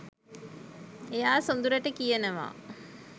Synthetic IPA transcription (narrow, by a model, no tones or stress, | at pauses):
ejaːsond̪uɾəʈəkijənəʋa̰